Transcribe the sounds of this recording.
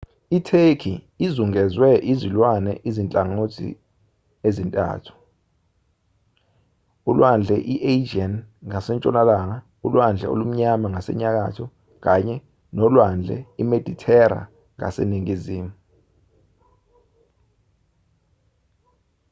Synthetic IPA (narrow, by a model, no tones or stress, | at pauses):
itʰekʰiː | zuŋɛzwɛʔizilwanɛ̰ʔizint͡ɬʼaŋotʰḭ | ezintʼa̰ːtʰu̥ | ulwand͡ɮʱɛʔiʔed͡ʒanŋasɛnt͡ʃʼɔnalaŋa | ulwand͡ɮʱɛ̰o̰lum̩ɲamaŋasɛ̰ɲak̬a̰tʰɔ | k̬aɲɛ | nɔlwand͡ɮʱɛ̰imed̥ʱitʰɛɾa̰ | ŋa̰sḛniŋiziːmu